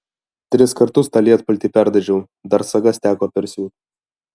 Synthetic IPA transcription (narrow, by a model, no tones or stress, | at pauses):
t̪ʲɾʲɪskɐɾt̪ʊst̪ɐlʲiɛt̪pɐlʲt̪ʲipʲæɾd̪ɐʒʲɛʊ | d̪ɐɾsɐɡɐst̪ʲæːkoːpʲɛɾʲsʲuː